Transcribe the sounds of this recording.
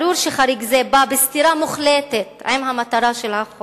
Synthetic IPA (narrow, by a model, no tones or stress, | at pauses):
ɾuɾʃeχaɾiɡzebabest̪iɾamuχlet̪et̪a̰jmɦamat̪aɾaʃelaχ